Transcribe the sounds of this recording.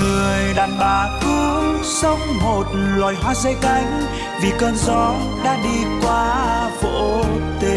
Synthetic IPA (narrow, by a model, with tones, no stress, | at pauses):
ŋɨ˨˩əjɗaː˨˩nɓaː˧˩ku˧˦ | sə˧wŋ͡mmo˨˩t̚lwaː˨˩jɦwaː˧˥zə˧˦jka˧˦jŋ̟ | vi˨˩kəː˧nzɔ˨˦ | ɗa̰ː˧˥ɗi˧kwaː˧vo̰˧˨˧t̪e˨˧˦